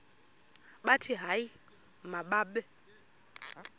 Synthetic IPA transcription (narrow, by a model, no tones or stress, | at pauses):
ɓatʰiɦai | maɓaɓɛ